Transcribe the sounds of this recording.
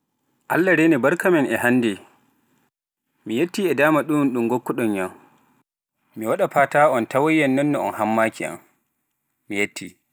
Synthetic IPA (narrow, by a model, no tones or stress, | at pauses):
ʔa̰lːaɾenɛbaɾkamɛnʔɛhandɛ | mijetːiːɛdaːmaɗunɗuŋɡokːɔɗɔnjam | miwaɗapaːtaɔntawajːɛnːɔnːɔɔ̰nhamːaːkia̰m | mijetʰːi